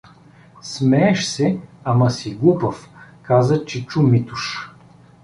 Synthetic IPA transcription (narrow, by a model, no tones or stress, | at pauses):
smɛːʃsɛamɐsiɡupəfkazət͡ʃɛt͡ʃumit̪uʃ